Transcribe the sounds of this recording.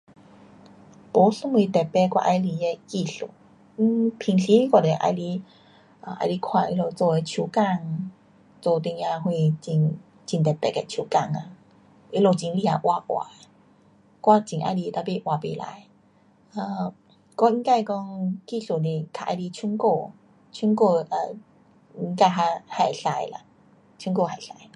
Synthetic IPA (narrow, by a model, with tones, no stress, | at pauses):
po˨˦sɨ˧˦ŋwi˧t̪ɛ˨˩pɛ˧kwa̰˧ʔa˧jli˧e˧ki˥˧ɬo̰˨˩ | i˦pʰi˧ŋɬi˧˦i˦kwa˧˩de˨˩ʔa̰˧jli˧ | ə˧˨ʔa̰˧˩jli˧kʰwa˧i˧lo˧˨t͡so˧e˧t͡ɕʰju˧ka˥˧˨ŋ | t͡so˧˩t̪i˧ŋja˧ɦwe˧t͡ɕi˧n | t͡ɕi˧nt̪ɛ˨˩t̪ɛ̰˨kɛ˧˩t͡ɕʰju˧˩ka˥˧˨ŋa˧ | e˧˦lo˧˩t͡ɕi˧nli˧a˨˧ʔwʔa˧ʔwa̰˨˩e˨ | kwa˥˧t͡ɕĩ˨ŋʔa̰˧˦li˧t̪a˧˩pe˧˩ʔwa˨˩pe˧la̰˧˨j | ə˧˩ | kɔ˧˦i˧˦ŋka˧kɔ˧ŋki˥˧˨ɬo˨de˧kʰa˧˨ʔa̰˧˩li˧t͡ɕʰu˧˦nko˥˧ | t͡ɕʰu˧˦nko˥˧˨ʔə˨˧ | i˧˦ŋka˧jɦa˧ha˨˩jɬa˧jla̰˨ | t͡ɕʰu˧˦ŋko˥˧˨ɦa˨˩jɬa˧˦j